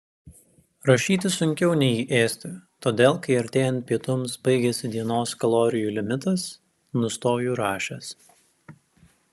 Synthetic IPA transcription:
ɾɐʃʲiːt̪ʲɪsʊŋʲkʲɛʊnʲɛɪiːʔeːsʲt̪ʲɪt̪oːd̪ʲeːlˠkɐɪɐɾʲt̪ʲeːjɛnt̪̚ʲpʲiɛt̪ʊmsbɐɪɡʲɛsʲɪd̪ʲiɛnoːskɐlˠoːɾʲɪjuːlʲɪmʲɪt̪ɐs | nʊst̪oːjuːɾɑːʃʲɛs

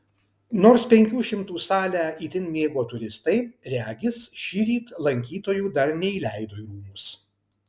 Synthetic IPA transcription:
noːɾspʲɛŋʲkʲuːʃʲɪmt̪uːsɑːlʲæːiːt̪ʲɪnmʲeːɡoːt̪ʊɾʲɪst̪ɐɪɾʲæːɡʲɪsʃʲiːɾʲiːt̪lˠɐŋʲkʲiːt̪oːjuːd̪ɐɾnʲɛiːlʲæˑɪd̪oːiɾuːmʊs

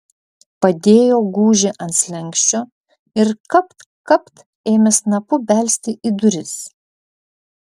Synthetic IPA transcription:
pɐd̪ʲeːjoːɡuːʒʲeʔɐnt̪sʲlʲɛŋʲkʲʃʲt͡ʃʲoː | ɪɾkɐpt̪ | kɐpt̪ | eːmʲɛsnɐpʊbʲælʲsʲt̪ʲɪʔid̪ʊɾʲɪs

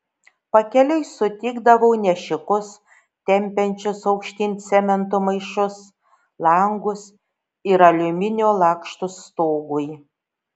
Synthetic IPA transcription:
pɐkʲɛlʲɛɪsʊt̪ʲɪːɡd̪ɐʋɐʊnʲɛʃʲɪkʊs | t̪ʲɛmʲpʲɛnʲt͡ʃʲʊsɐʊkʃʲt̪ʲɪnʲsʲɛmʲɛnt̪ʊmɐɪʃʊs | lˠɐŋɡʊs | ɪɾɐlʲʊmʲɪnʲoːlˠɑːkʃt̪ʊst̪oːɡʊj

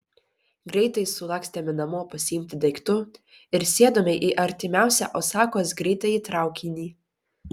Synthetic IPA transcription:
ɡɾʲɛɪt̪ɐɪsʊlˠɑksʲt̪ʲɛːmʲɪnɐmoːpɐsʲɪjɪmʲt̪ʲɪd̪ɐɪkt̪ʊ | ɪɾsʲeɛd̪oːmʲɛɪʔiʔɐɾʲt̪ʲɪmʲæˑʊsʲɛ̰ʔoːsɑːkoːsɡɾʲɛɪt̪ɐɪit̪ɾɑˑʊkʲinʲiː

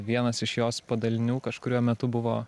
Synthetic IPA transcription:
ʋʲiɛnɐsɪʃjoːspɐd̪ɐlʲɪnʲuːkɐʃkʊɾʲuɔmʲɛt̪ʊbʊʋoː

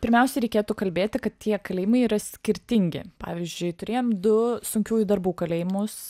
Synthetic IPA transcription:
pʲɪɾʲmʲɛˑʊsʲɛɾʲɛɪkʲeːt̪uːkɐlʲbʲeːt̪ʲɪkɐt̪t̪ʰʲiɛkɐlʲɛːjɪmɐɪiːɾɐsʲkʲɪɾʲt̪ʲɪŋʲɡʲɪ̰pɑ̰ːʋʲɪzʲd͡ʒʲʊɪt̪ʊɾʲeːjoːmd̪ʊsʊŋʲkʲuːjʊd̪ɐɾbuːkɐlʲeːjɪmʊs

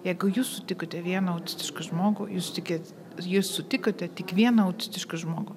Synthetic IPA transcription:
jɛɪɡʊjuːssʊt̪ʲɪkot̪ʲɛʋʲiɛnɐɐʊt̪ʲɪ̥sʲt̪ʲɪʃkɐʒmoːɡʊjuːst̪ʲɪkʲeːtʲ | jɪːssʊt̪ʲɪkot̪ʲɛt̪ʲɪkʋʲiɛnɐɐʊt̪ʲɪsʲt̪ʲɪʃkɐʒmoːɡʊ

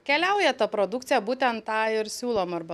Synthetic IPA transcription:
kʲɛlʲɛʊjɛt̪ɐpɾod̪ʊkt̪sʲɪjɛbuːt̪ʲɛnt̪tːɑːɪɾsʲuːlˠoːmɐɾbɐ

